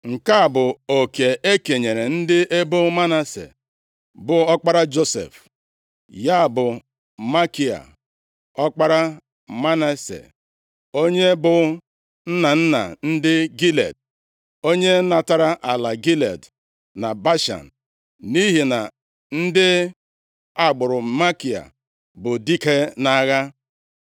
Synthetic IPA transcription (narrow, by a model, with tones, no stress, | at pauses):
ŋ̩˨ka˦a˨bʊ˨o˨ke˨e˦ke˨ɲe˨ɾe˨n̩˦dɪ˦e˦bʊ˦ma˦na˨sḛ˨ | bʊ˨ɔ˦k͡pa˦ɾa˦d͡ʒo˦sḛ˨f | ja˦a˨bʊ˨ | ma˦ki˨a̰˨ | ɔ˦k͡pa˦ɾa˦ | ma˦na˦sḛ˨ | o˦ɲe˦bʊ˨˦ | n̩˦na˨n̩˦na̰˨n̩˦dɪ˦ɡi˦lḛ˨d̚ | o˦ɲe˦na˨ta˦ɾa˦ʔa˨la˨ɡi˦lḛ˨d | na˨ba˦ʃa̰˨n̩˨ | ni˦ɦi˨na˨ | n̩˦dɪ˦ | a˦ɡ͡bʊ˨ɾʊ˨ma˦ki˨a̰˨ | bʊ˨di˦ke˦na˦ɣa˦